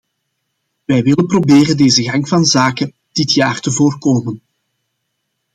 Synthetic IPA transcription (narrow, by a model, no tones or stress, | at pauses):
ʋɛjʋɪlənprobeːɾəndeːzəɣɑŋkvɑnzaːkən | d̥ɪtjaːrtəvoːrkoːmən